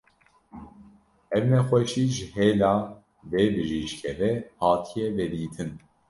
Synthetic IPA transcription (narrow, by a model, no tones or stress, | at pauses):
ɛvnɛxʷɛʃiːʒɨheːlɑː | veːbɨʒiːʃkʰɛvɛhɑːt̪ʰijɛvɛd̪iːt̪ʰɨn